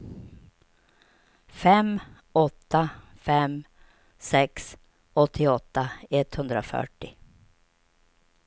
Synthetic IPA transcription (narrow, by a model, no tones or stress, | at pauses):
fɛm | ɔt̪ʰːafɛm | sɛks | ɔt̪ʰːɪɔt̪ːaɛt̪hɵnd̪ɾafœ̰ʈːɪ